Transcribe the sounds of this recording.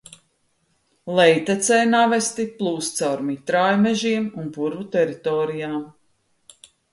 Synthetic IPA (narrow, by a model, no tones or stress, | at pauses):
lˠɛjt̪ɛt̪sɛjnavɛst̪iplˠuːst̪sawɾmit̪ɾaːjmɛʒiɛmunpuɾvut̪ɛɾit̪ɔːɾijaːm